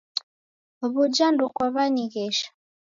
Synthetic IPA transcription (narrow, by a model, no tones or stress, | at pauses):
oβuɟandukwaβaɲiɡeʃḁ